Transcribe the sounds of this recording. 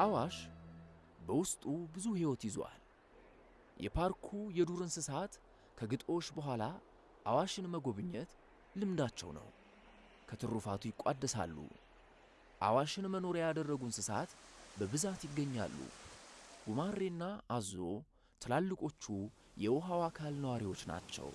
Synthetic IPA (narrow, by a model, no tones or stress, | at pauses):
ʔawaʃ | bəwʊst̪ʼubɨzuhewɔt̪jɪza̰l | jʔɛ̰pʰaɾkʰujɛd̪uɾɨnsɨsat̪ | kʰəɡɨt̪ʼo̞ʃːbəɦʷala | ʔawaʃɨnməɡo̞βɨɲːɛt̪ | lɨmd̪at͡ʃːɛ̰wnə̰w | kʰət̪ʰɨrːufat̪ʰujɪkʼad̪ːəsa̰lːṵ | ʔa̰waʃɪnməno̞ɾjad̪ərːəɡunsɨsat̪bəβɨzat̪jɪɡːəɲːa̰lːṵ | ɡ̥umarːenːaʔːzo̞ | t̪ʰəlalːɨkʼo̞t͡ʃːu | jɛwɔɦawakʰalnəwaɾiwo̞t͡ʃːna̰t͡ʃːɛ̰w